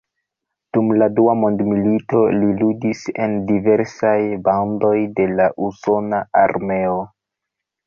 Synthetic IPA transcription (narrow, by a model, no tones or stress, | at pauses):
d̥umladuamo̞ndmilito̞liludise̞ndive̞ɾsajbawndo̞jde̞laʔuso̞naaɾme̞o